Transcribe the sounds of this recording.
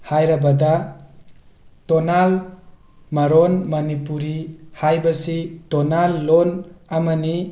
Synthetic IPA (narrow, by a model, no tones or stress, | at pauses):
hajɾabɐda | tɔnal | maɾɔnmɐnipuɾihajbasitɔnalːɔnamani